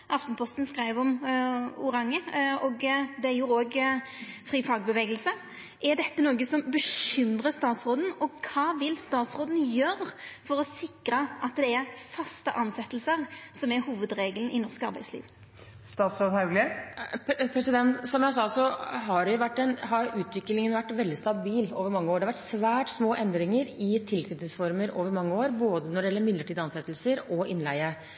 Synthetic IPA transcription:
ʔɑft̪npʰɔst̪n̩skɾæɪʋɔm | ʊɾɑŋːəɔɡd̪ɛæɾjʊoːɡ | fɾiːfɑːɡ̚bəʋeːɡəlsə | ʔɛɾd̪ɛt̪ːənoːɡəsɔmbəʃʏmʁəst̪ɑːt̪sʁoːd̪n̩ɔkʰɑːʋɪlst̪ɑːt̪sʁoːd̪n̩jøːɾfɔɾɔsɪkɾəʔɑt̪d̪ɛæɾfɑst̪əʔɑnsɛt̪ːl̩səʁsɔmɛhuːʋəd̪ɾeːɡəln̩ɪnɔʁskɑɾbæɪslḭːʋ | st̪ɑːt̪sɾoːd̪hɑʉɡlə | pʰɾɛsɪd̪ɛnt̪sɔmjæɪsɑːsɔɦɑɖɛjʊʋæʈːɛnɦɑɾʉːt̪ʰʋɪklɪŋənʋæʈːʋɛld̪ɪst̪ɑbiːloːʋəɾmɑŋːəoːɾɖɛɑʋæʈːsʋæːʈsmoːʔɛnd̪ɾɪŋəɾɪt̪ʰɪlk̪ʰʏt̪ɪsfɔɾməɾoːʋəɾmɑŋːəoːɾboːd̪ənɔɖɛjɛlːəɾmɪd̪ləʈʰiːd̪ɑnsɛt̪ːəlsəɾɔʔɪnlæɪə

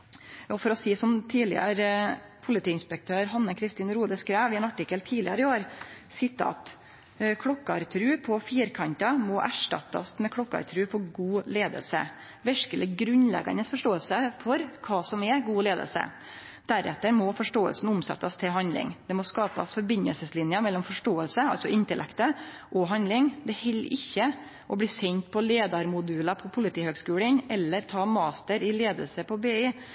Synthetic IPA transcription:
jɑːfɔɾɔsiːsɔmt̪ʰiːlɪ̰ə̰ɾə | pʰʊlɪt̪iːɪnspɛk̚t̪ʰøːɾɦɑnːəkʰɾɪst̪iːnɾuːd̪əskɾæːʋɪɛnɑʈɪkːəlt̪ʰiːlɪɑɾɪoːɾsɪt̪ːɑ̰ɑ̰t̪ | kʰɽɔkːɑɾt̪ʰɾʉːpʰɔfiːɾkʰɑnt̪ɑmɔʔæʂʈɑ̰t̪ːɑ̰smɛkʰɽɔkːɑ̰ɾt̪ʰɾʉːpʰɔɡuːleːd̪ə̰lsə̰ | ʋɛʂkələɡɾʉnlɛ̰ɡɑ̰nəsfɔʂʈoːəlsəfɔɾkʰɑːsɔmɛɡuːleːd̪ə̰lsə̰ | d̪̥æɾɛ̰t̪ːəɾmɔfɔʂʈoːə̰lsn̩ʊmsɛ̰t̪ːəst̪ʰɪlɦɑnd̪lɪ̰ŋd̪̥ɛmɔskɑːpə̰sfɔɾbɪnəlsəslɪnjəmɛlːɔmfɔʂʈoːəlsəɑ̰lsɔʔɪnt̪əlɛ̰kt̪ə | ʔɔɦɑnd̪lɪŋd̪ɛhɛlːʔɪçːə | ʔɔbliːsɛɲt̪̚pʰɔleːd̪ɑɾmʊd̪ʉːlɑpʰɔpʰʊlɪt̪ʰiːhøːɡskʉːlənɛlːəɾt̪ʰɑːmɑːst̪əɾɪleːd̪ə̰lsəpʰɔbeːi

